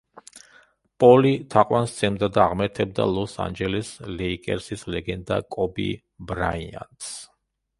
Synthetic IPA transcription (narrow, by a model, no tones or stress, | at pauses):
pʼɔlit̪ʰaqʼwanst̪sʰɛmd̪ad̪aːʁmɛɾt̪ʰɛb̚d̪a̰lˠɔsa̰nd͡ʒɛlɛslɛikʼɛ̰ɾsislɛɡɛnd̪akʼɔbḭ | bɾaia̰ns